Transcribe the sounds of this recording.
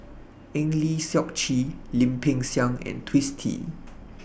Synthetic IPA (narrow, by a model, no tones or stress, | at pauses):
ʔɛ̃ŋlisjɔk̚t͡ʃilĩmpʰɪ̃ŋsjãŋɛ̰̃ntʰwistʰḭ